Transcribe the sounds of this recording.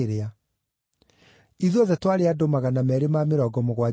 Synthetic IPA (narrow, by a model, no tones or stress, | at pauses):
ɾea | iðɔðɛtwaɾeadomaɣanamɛɾemaːmeɾɔɡɔmoɣwa